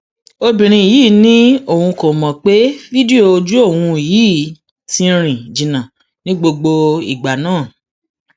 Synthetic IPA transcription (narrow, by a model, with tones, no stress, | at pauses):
o˧bĩ˨ɾ̃ĩ˧i˨jiː˦˨nĩ˦o˦˨hũ˧ko˨mɔ̃˨k͡pe˦vi˦di˦o˨˧d͡ʒu˦o˦˨wũ˧i˨jiː˦ | tĩ˧˦ɾ̃ĩ˨d͡ʒĩ˨nã˨ | nĩ˦ɡ͡bo˧ɡ͡bo˧i˨ɡ͡ba˨nãː˦˨